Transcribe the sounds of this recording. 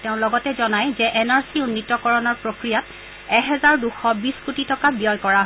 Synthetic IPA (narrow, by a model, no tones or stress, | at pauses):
teʊ̃lɔɡɔtɛzɔnajzɛʔɛnaɹsiunːitːɔkɔɹɔnɔɹpɹokɹijat | ɛɦɛzaɹduxɔbiskutitɔkabijɔjkɔɹaɦ